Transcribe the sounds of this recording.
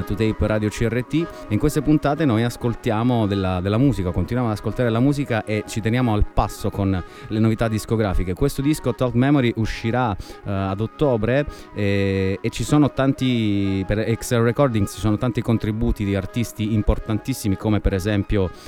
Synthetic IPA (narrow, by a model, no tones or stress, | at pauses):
t̪ut̪ɛipɾaːd̪jot͡ʃiɛrːet̪ːi | iŋkwest̪epunt̪aːt̪enojaskolt̪jaːmod̪elːad̪elːamuːzikakont̪inwjamoad̪askolt̪aːɾelamuːzikaʔet͡ʃit̪enjaːmoalpasːokonlenovit̪ad̪ːiskoɡɾaːfikekwest̪od̪iskot̪ɔt̪mɛmoɾiʔuʃːiɾaːd̪ot̪ːoːbɾe | ɛːt͡ʃːisoːnot̪ant̪ipeɾɛkslrekɔrd̪iŋɡsi̥soːnot̪ant̪ikont̪ɾibuːt̪id̪iart̪ist̪iːmport̪ant̪isːimikomepeɾezɛmpjo